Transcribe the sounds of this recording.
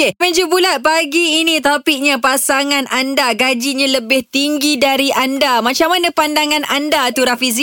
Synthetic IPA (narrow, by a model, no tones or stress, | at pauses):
epɛɲd͡ʒubulat̪̚paɡiːnĩt̪opiʔ̚ɲapasaŋãnʔandaɡad͡ʒiɲãləbɪht̪iŋɡidaɾiʔandamãt͡ʃamanãpandaŋãnʔandat̪uɾafizi